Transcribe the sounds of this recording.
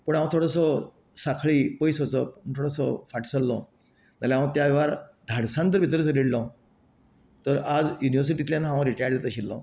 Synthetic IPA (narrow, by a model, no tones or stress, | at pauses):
pəɳaw̃ãt̪ʰoɽəsɔ | sakʰɭiːpəjsət͡səpət̪ʰoɽəsɔfaʈsəlːɔ | t̪alaʋãt̪jaʋaɾd̪ʱaɽsãnt̪əɾbʱit̪əɾəsədiɽlɔ̃ | t̪əɾad͡zjuniʋəɾs̬iʈit̪lʲjanɦãʋãɾiʈajəɾlet̪aɕilːɔ̰